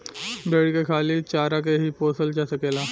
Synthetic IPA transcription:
beːɽkekʰaːlit͡ʃaːɾak̬eɦipoːsəlt͡ʃasəkeːlaː

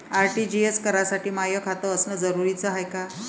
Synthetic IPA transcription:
aɾʈiːd͡ʑieskəɾasaʈiːmajəkʰat̪əəsnəd͡zəɾuɾit͡səɦajka

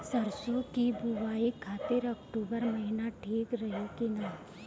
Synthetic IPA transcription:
sɐɾsõkibuʋaːikʰːaːt̪ɪɾɐkʈuːbəɾmɐɦɪnaʈʰeːkɾɐɦokenaː

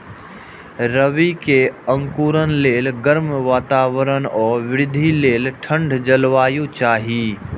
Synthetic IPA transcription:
ɾəʋikeə̃ŋkuːɾənleːlɡəɾmʋaːt̪aːʋəɾənɔːɾʋɪɾɪd̪ʱileːlʈʰə̃ɳɖʱd͡ʒəlʋaːjut͡ʃaːɦiː

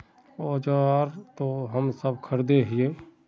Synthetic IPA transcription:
ɔːd͡ʒaːɾt̪oɦəmsəb̚kʰəɾd̪eɦie

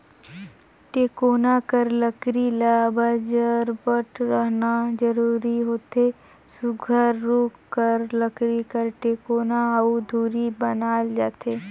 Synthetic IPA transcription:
ʈeːkoːnakəɾləkɾilaːbad͡ʒəɾbəʈɾəɦnad͡ʒəɾuːɾiɦoːt̪eː | sʊɡʱəɾːoːkkːəɾləkɾikəɾʈeːkoːnaɐud̪ʱuːɾibənaːld͡ʒaːt̪eː

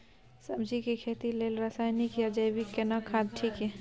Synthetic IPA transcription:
səbd͡ʒikekʰet̪ilelɾasaːjnikjad͡ʒəjbikːenakʰad̪̚ʈʰiːkɦɛ

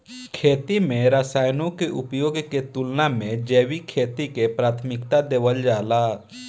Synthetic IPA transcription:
kʰeːt̪imẽɾaːsaːjnõkeʔʊpjoːɡket̪ʊlnamẽd͡ʒeːʋikʰeːt̪ikepɾaːt̪ʰmɪkt̪ad̪eːʋəld͡ʒaːlaː

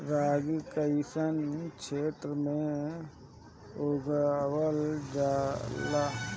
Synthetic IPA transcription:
ɾaːɡkəɪsənkʃeːt̪ɾəmẽ | oːɡawəld͡ʒaːlaː

